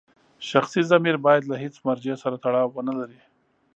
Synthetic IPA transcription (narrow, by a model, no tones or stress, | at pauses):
ʃaxsizamiɾbɑjad̪lahet͡smaɾd͡ʒesaɾat̪aɽɑwːənalaɾi